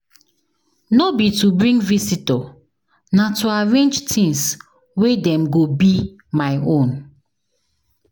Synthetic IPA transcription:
nobitubɹĩŋɡvisitɔ | natuaɹẽnd͡ʒtʰĩŋs | wedɛ̃mɡobi | maɪõn

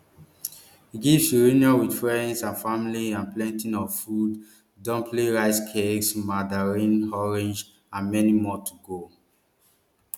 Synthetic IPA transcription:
hiɡivsiɹiniawidfɹɛ̃ndsãnfamiliãnplɛ̃ntĩnɔvfudː | ɔ̃mpʰleɹaɪskʰeksmadaɹĩnɔɹɛ̃nd͡ʒ | ãnmɛnimɔtʰuɡo

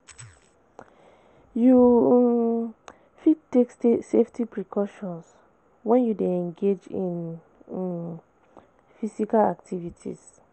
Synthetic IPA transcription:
ju | fidtːeksseftʰipʰɹikʰɔʃɔ̃ns | wɛ̃njudeɛ̃nɡed͡ʒĩn | fisikala̰ktʰivitʰḭs

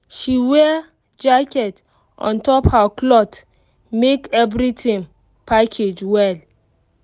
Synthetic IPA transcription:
ʃiwɛ | d͡ʒakɛt | ʔɔ̰̃ntɔphaklɔt | mekɛvɾitʰĩŋ | pakʰed͡ʒwɛl

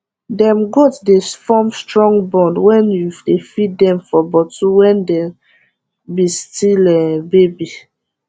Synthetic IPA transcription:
dɛ̃mɡotdesfɔmstɹɔ̃ŋɡbɔ̃ndwɛ̃njudefit̚dɛ̃mfɔbɔtuwɛ̃ndɛ | bistilɛbebi

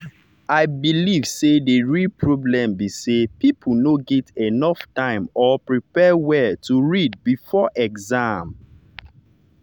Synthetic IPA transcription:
aɪbilivsedeɹilpʰɹoblɛ̃mbisepipʰunoɡɛtenɔftãɪ̃mɔpɹipɛwɛtuɹid̚bifɔʔɛkzãm

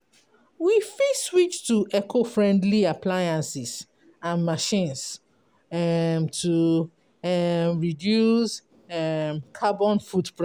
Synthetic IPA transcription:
wifiswit͡ʃtuʔɛkʰofɹɛ̃ndliaplajãnsis | ãnmaʃĩns | ɛmtʰu | mɹidjus | ɛmkʰabɔ̃nfudpɹ

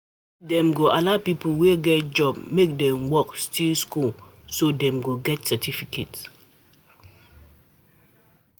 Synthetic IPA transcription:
dɛ̃mɡoʔalapipl̩weɡɛt̚d͡ʒɔbmek̚dɛ̃mwɔkstʰilskul | sodɛ̃mɡoɡɛtsɛtʰifikʰets

